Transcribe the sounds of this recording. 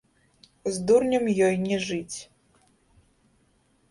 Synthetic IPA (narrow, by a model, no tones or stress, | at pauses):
zd̪urnʲɐmjɔjnʲɛʐɨt͡sʲ